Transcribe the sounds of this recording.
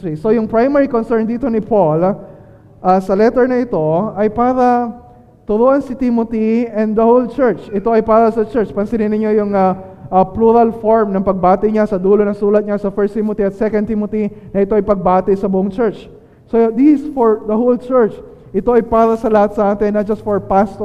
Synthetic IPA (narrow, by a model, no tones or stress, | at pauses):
iso̞jʊŋpɹajmɛɹikonsɛɹnd̪iːt̪o̞nɪpʰol | ʔɐsɐlɛt̪ɛɹnɐʔɪt̪o̞ɐjpaːɾɐ | t̪ʊɾoʔɐnsɪt̪imot̪iɛnd̪d̪ɐhowlt͡ʃɛɹt͡ʃɪt̪o̞ʔɐjpaːɾɐsɐt͡ʃɛɹt͡ʃpɐnsɪnɪnɪɲo̞jʊŋɐʔɐpluɾɐlfoɹmnɐŋpɐɡ̚baːt̪ɪɲasɐd̪uːlonɐŋsuːlɐt̪̚ɲasɐfɛɹst̪imot̪iɐt̪̚sɛkɐn̚imot̪inɐɪt̪o̞ʔɐjpɐɡ̚baːt̪ɪsɐbʊʔoŋt͡ʃɛɹt͡ʃ | sod̪isfoɹd̪ɐholt͡ʃɛɹt͡ʃ | ʔɪt̪o̞ʔɐjpaːɾɐsɐlɐhat̪̚sɐʔaːt̪ɪnːɐt̪̚d͡ʒɐst̪foɹpast̪